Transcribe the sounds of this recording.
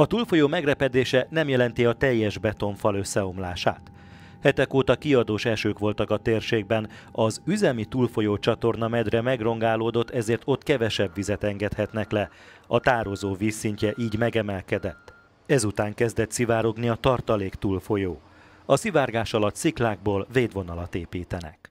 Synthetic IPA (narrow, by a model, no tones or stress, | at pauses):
ɒt̪ulfo̞joːmɛɡrɛpɛd̪eːʃɛnɛmjɛlɛn̪t̪iɒt̪ɛjːɛʒbɛt̪o̞ɱfɒlø̞sːɛo̞mlaːʃa̰ːt̪ | hɛt̪ɛkoːt̪ɒkiɒd̪oːʃɛʃøːkʋo̞lt̪ɒkɒt̪eːrʃeːɡ̚bɛn | ɒzyzɛmit̪uːlfo̞joːt͡ʃɒt̪o̞rnɒmɛd̪rɛmɛɡro̞ŋɡaːloːd̪o̞t̪ːɛzeːrt̪o̞t̪ːkɛvɛʃɛbːizɛt̪ɛŋɡɛt̪hɛt̪nɛklɛɒt̪aːɾo̞zoːviːsːiɲcɛʔiːɟmɛɡɛmɛlkɛd̪ɛt̪ː | ɛzut̪aːŋkɛzd̪ɛt̪sivaːɾo̞ɡniɒt̪ɒrt̪ɒleːkt̪uːlfo̞joː | ɒsivaːrɡaːʃɒlɒt̪siklaːɡ̚boːlveːd̪ʋo̞nɒlɒt̪eːpiːt̪ɛnɛ̰k